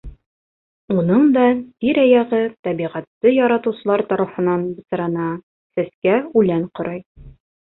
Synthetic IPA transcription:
unɤɴd̪ɑt̪iɾæjæʁɘt̪ɒbiʁæt̪ːɤjɒɾɑt̪ɤ̆wsɤ̆lˠɑɾt̪ɒɾɑfɤ̆nɑnbɤ̆sɤ̆ɾɑnɑ | sæskæʉlæɴqŏɾɤj

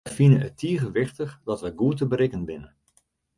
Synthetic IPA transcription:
finənətiːɣəʋɪχtəχdɑtʋəɡuətəbəɾɪkənʋɪnə

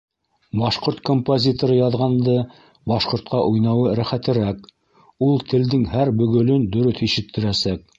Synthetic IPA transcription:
bɑʃqoɾt̪̚kompozʲit̪oɾɤjɑðʁɑnd̪ɤ | bɑʃqŏɾt̪̚qɑʔujnɑwɤɾæχæt̪ɘ̆ɾæk | ulˠt̪ʰɘ̆ld̪ɘŋhæɾbɵ̆ɡɵ̆lɵnd̪ɵ̆ɾɵθiʃɘ̆t̪ʰːɘ̆ɾæsæk̚

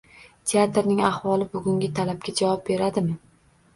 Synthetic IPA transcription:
t̪ʰe̞at̪ɾnɪŋahvɒlˠɪbʊɡʲʊŋɡʲɪt̪ʰalab̚ɡʲad͡ʒavɒp̚be̞ɾad̪ɪmɪ

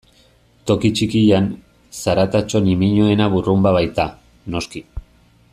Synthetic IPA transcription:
t̪o̞kit͡ʃikijan | saɾat̪at͡ʃo̞nimiɲoe̞naβurumbaβajt̪a | no̞ski

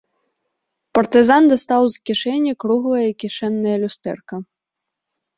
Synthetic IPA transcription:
pɐrt̪ɨzand̪ɐst̪awzkʲiʂɛnʲːɐkɾuɣlˠɐjɐikʲiʂɛnːɐjɐlʲust̪ɛ̰rkɐ

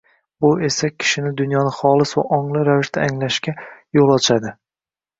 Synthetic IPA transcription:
bʊe̞sakʲʰɪ̥ʃɪnɪd̪ʊnjɒnɪχɒlˠɪsva̰ʔɒɴlˠɪɾavɪʃt̪aːŋlaʃkʲajolˠɒt͡ʃʰad̪ɪ

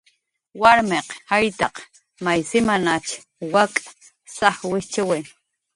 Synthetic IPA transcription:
waɾmeqhajt̪ɑq | majsɪmanat͡ʃ | wakʼḁ | saχwɪt͡ʃɪwɪn

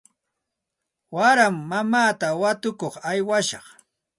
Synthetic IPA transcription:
waɾamːamaːt̪awat̪ʊkoχajwaʃɑχ

